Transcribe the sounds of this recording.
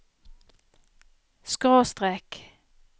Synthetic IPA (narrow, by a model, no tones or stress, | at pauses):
skʁoːst̪ʁeːk